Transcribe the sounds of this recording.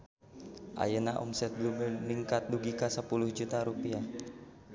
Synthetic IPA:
ʔa̰jənaʔɔ̰msɛt̪̚ɡubɛlniŋkat̪̚duɡikasəpuluhd͡ʒut̪aɾupia

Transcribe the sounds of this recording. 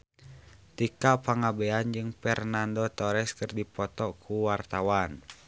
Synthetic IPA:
t̪ikapaŋabɛand͡ʒɨŋpɛrnandɔt̪ɔɾɛskɨrdipɔt̪ɔkʰuwart̪awan

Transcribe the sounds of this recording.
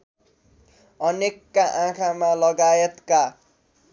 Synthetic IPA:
ʌnekːaʔãkʰamalʌɡaet̪ka

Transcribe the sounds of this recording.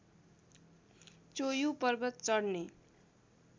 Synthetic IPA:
t͡sojupʌrbʌt̪̚t͡sʌɽne

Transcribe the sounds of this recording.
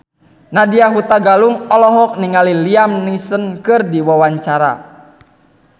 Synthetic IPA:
nadiaɦut̪aɡaluŋɔlɔɦɔk̚niŋaliliamnisənkɨrdiwawaɲt͡ʃaɾa̰

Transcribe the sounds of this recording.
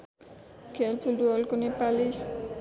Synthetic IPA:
kʰelpʰulduɔlkunipali

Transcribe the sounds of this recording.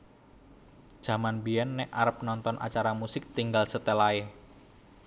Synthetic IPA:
ʒ̥a̤manbiɛnːɛʔaɾəp̚nɔnt̪ɔnʔa̰t͡ʃaɾamusɪk̚t̪iŋɡalsət̪əlae

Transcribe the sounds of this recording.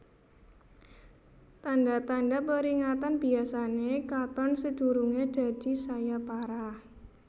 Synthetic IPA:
t̪anɖat̪aɳɖapəɾiŋat̪anb̥iasanekat̪ɔnsəd̪̥uɾuŋed̪̥a̤d̪̥i̤sajapaɾa

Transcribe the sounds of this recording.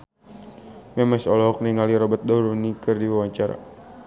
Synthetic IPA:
mɛmɛsɔlɔɦɔk̚niŋaliɾɔbat̪̚dɔɾunikɨrdiwawaɲt͡ʃaɾa̰

